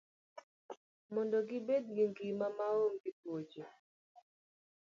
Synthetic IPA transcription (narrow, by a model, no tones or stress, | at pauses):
mɔndɔɡibedɡiŋɡimamaomɡitwot͡ʃe